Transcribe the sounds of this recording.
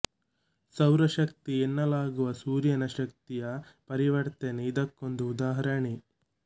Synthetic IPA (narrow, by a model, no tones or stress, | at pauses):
sɐwɾɐʃɐk̚t̪ienːɐlaːɡuʋɐsuːɾjɐnɐʃɐk̚t̪ijɐpɐɾiʋɐɽt̪eːneid̪ɐkːo̞nd̪uːd̪aːɦɐɾɐɳi